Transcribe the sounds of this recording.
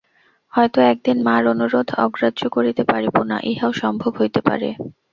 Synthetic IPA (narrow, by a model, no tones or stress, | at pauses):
hɔet̪oɛk̚d̪inmaɾonuɾod̪ʱɔ̰ɡɾadʑokoɾit̪epaɾipona̰ʔiɦaoʃɔmbʱobɦojt̪epa̰ɾḛ